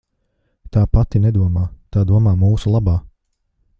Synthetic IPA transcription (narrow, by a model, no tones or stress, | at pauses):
t̪aːpat̪inɛd̪uɔmaːt̪aːd̪uɔmaːmuːsulˠabaː